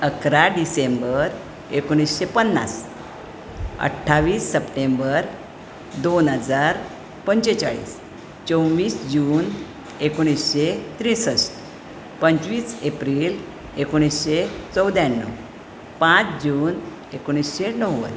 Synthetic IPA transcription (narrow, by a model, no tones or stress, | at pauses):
əkɾaɖisembəɾ | ekoɽ̃isɕepənːa̰s | ə̰ʈʰːaʋiːsːəpʈembəɾ | d̪onɦəd͡zaɾ | pəɲt͡ɕet͡sa̰ɭḭːs | t͡ɕə̃wʋiːsd͡ʑuːn | ekoɽ̃isɕet̪ɾĩsəst̪ | pəɲt͡sʋiːsepɾil | ekoɽ̃isɕet͡səwd̪janːə̰ | pãt͡sd͡ʑuːn | ekoɽ̃isɕenəwʋə̰n